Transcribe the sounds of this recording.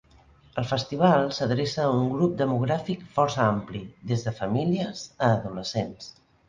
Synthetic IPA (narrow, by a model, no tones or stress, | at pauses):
əlˠfəst̪iβ̞alˠsəðɾesəːuŋɡɾup̚d̪əmuɣ̞ɾafikfɔrsəampliðezðəfəmiliəzəːðuləsens